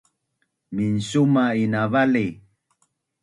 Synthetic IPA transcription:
minsumainavali

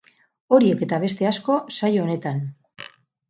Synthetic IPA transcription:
o̞ɾie̞ke̞t̪aβe̞st̪e̞asko̞sajoone̞t̪an

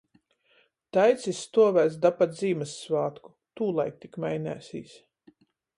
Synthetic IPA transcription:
t̪ajt̪sisːt̪uɔvæːsd̪apat̪ziːmɨsːvaːt̪ku̥ | t̪uːlˠajk̚t̪ikmajnʲæ̰ːsḭːs

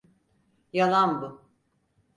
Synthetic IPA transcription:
jalˠanbu

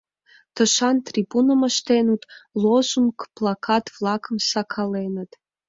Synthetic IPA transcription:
t̪əʃɑnt̪rʲibunəməʃt̪enut̪lˠozuŋkplˠɑkʰɑt̪vlˠɑkəmsɑkʰɑlenət̪

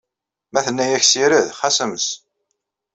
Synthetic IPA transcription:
mæθənːæjæçsiɾæðχæsəməs

